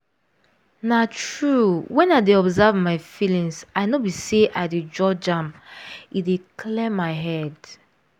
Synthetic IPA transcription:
natɹuwɛ̃naɪdeɔbzɛvmaɪfilĩŋsaɪnobiseʔaɪded͡ʒɔd͡ʒãmidekʰlɛmːaɪɦɛd

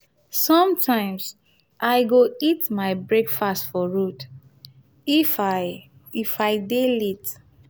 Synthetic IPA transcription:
sɔ̃mtʰãɪ̃ms | ʔaɪɡoitmaɪbɹekfastfɔɹut | ifa | ifaɪdelit

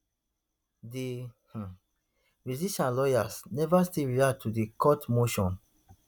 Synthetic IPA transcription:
dih̩ | ɹiziʃãnlɔjasnɛvastiɹiad̚tʰudikʰɔtmoʃɔ̃n

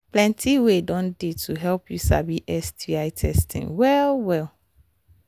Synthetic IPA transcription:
plɛ̃ntʰiwedɔ̃ndetʰuɦɛlpjusa̰biʔɛstʰiaɪtʰɛstʰḭ̃ŋwɛlwɛl

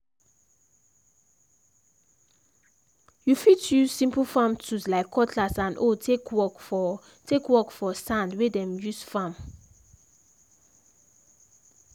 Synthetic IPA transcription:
jufitjuzsĩmpl̩fãmtʰuslaɪkʰːɔtʰlasãnʔotʰekwɔk | tʰekwɔkfɔsãndwedɛ̃mjusfãm

